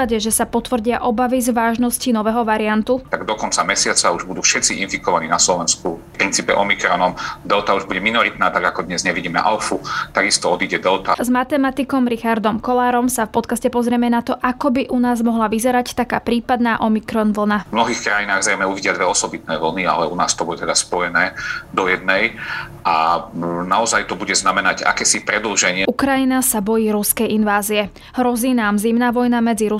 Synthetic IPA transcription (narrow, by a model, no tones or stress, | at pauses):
adɛʒɛsapɔt̪ʋr̩ɟɪaʔɔbaʋizʋaːʒnɔscinɔʋɛɦɔʋaɾiant̪ut̪aɡd̪ɔkɔnt͡samɛsɪat͡sauʒbud̪uːfʃɛt̪t͡siʔinfikɔʋaniːnaslɔʋɛnskufpɾint͡siːpɛ̰ʔɔmikɾɔnɔmd̪ɛlt̪auʒbuɟɛminɔɾit̪naːt̪aɡakɔd̪ɲɛzɲɛʋiɟiːmɛ̰ʔalfut̪aɡist̪ɔɔd̪iːɟɛd̪ɛlt̪azmat̪ɛmat̪ikɔmɾixaɾd̪ɔmkɔlaːɾɔmsafpɔt̪kascɛpɔzɾɪɛmɛnat̪ɔʔakɔbiʔunaːzmɔɦlaʋizɛɾact̪akaːpɾiːpad̪naːʔɔmikɾɔnʋl̩navmnɔɦiːxkɾajinaːɣzɾɛjmɛuʋiɟɪad̪ʋɛɔsɔbit̪nɛːʋl̩nia̰lɛuna̰ːst̪ɔbud̪ut̪ɛd̪aspɔjɛnɛːd̪ɔjɛd̪nɛj | ʔanaɔzajt̪ɔbuɟɛznamɛnaɟa̰kɛːsipɾɛd̪l̩ʒɛɲɪɛukɾajinasabɔjiːɾuskɛjinʋaːziɛ | ɦɾɔziːnaːmzimnaʋɔjnamɛd͡ziɾu